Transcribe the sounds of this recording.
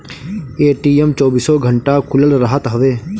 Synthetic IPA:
eːʈiːɛmt͡ʃɔːbiːsɔːɡʱəɳʈakʰʊləlɾəɦət̪ɦəʋeː

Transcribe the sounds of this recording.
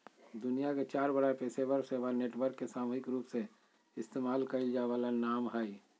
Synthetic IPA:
d̪ʊnijaket͡ʃaːɾbəɽaepeːsebəɾseʋaneːʈʋəɾkːesaːmuːɦɪkɾuːpse | ɪst̪eːmaːlkəɪld͡ʒaːʋaːlanaːmɦai

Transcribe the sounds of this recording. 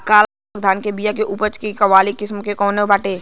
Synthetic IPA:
kaːl | ɡd̪ʱaːnkebijakeʔupət͡ʃkikɐʋaːlikɪsmkekɔːnebaʈeː

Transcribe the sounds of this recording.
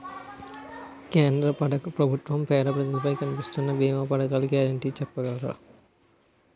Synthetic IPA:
keːnd̪ɾɐpɐɖɐkɐpɾɐbʱut̪ʋɐmpɛːɾɐpɾɐd͡ʒɐlɐpɐjkɐnipist̪unːɐbiːmɐpɐɽɐkaːlɐɡaːɾɐɳʈiːt͡ʃɛpːɐɡɐlɐɾa̰ː

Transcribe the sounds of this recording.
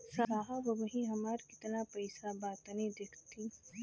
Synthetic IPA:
saaːɦabɐbɐɦĩɦɐmaːɾkɪ̥t̪napɐɪsabaːt̪nid̪ekʰt̪i

